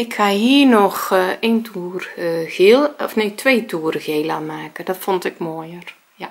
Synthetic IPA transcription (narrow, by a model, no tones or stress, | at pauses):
ɪkhahiːrnɔxeːntʰuːərɣelˠɔfneːtʰʋeːtʰuːəɾɣeːlamaːkədɔtfɔntɪkmoːjər | ja